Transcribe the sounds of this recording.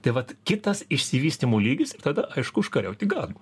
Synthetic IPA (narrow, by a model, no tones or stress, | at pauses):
t̪ɐɪʋɐt̪kʲɪt̪ɐsɪʃʲsʲɪʋʲiːsʲt̪ʲimuːlʲiːɡʲɪsɪrt̪ɐd̪ɐʔɐɪʃkʊʊʃkɐɾʲɛʊt̪ʲɪɡɐlʲˠ